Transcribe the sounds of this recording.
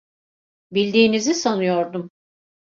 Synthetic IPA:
bilʲd̪iːnizisanɯjo̞ɾd̪um

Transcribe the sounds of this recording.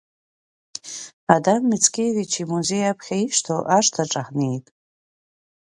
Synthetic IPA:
adamːɨt͡sʰkʲejvit͡ʃʰimuze̞japʰχʲaiʂtʰoʔaʂtʰaʈ͡ʂʼaħnejtʼ

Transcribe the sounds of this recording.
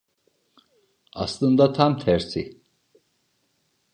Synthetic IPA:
ɑ̰slˠɯnd̪at̪ʰamt̪ʰæɾsi

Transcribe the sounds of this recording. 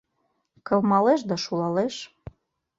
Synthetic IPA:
kɤ̆lmɑleʃ̬d̪ɑʃulɑleʃ

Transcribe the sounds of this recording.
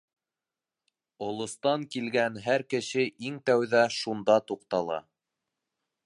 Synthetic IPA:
ŏlˠŏst̪ɑŋkilɡænɦæɾkɘ̆ʃɘʔiŋt̪æwðæʃund̪ɑt̪uqt̪ɑlˠɑ̰

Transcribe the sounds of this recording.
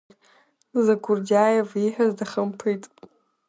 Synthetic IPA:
zakʰʷʊrdajeviħᶣazdaχəmpʰɨjtʼ

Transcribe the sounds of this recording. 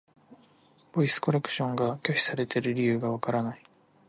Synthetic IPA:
bo̞isɨ̥ko̞ɾe̞kɯ̟̥ɕõ̞ŋɡakʲo̞ɕʲi̥saɾe̞t̪e̞ɾɯ̟ɾʲijɯ̟ːɡaβ̞akaɾanai

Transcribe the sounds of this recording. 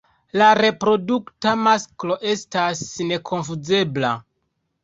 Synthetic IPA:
laɾe̞pɾo̞duktamasklo̞ʔe̞stasne̞kʰo̞nfud͡ze̞bla̰

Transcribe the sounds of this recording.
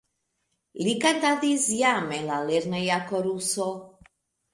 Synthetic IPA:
likat̪ad̪izjamɛlaleɾnajakɔɾusɔ

